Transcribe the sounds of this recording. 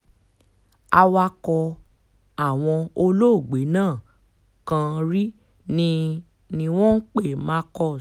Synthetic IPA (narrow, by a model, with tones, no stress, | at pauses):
a˧wa˧kɔ˧ | a˦˨w̃ɔ̃˧o˧lo˦˨ɡ͡be˨˦nãː˦˨ | kã˧ɾi˦ | nĩ˧ | nĩ˧w̃ɔ̃˦n̩˦k͡pe˦˨mã˧˦kɔ˧˨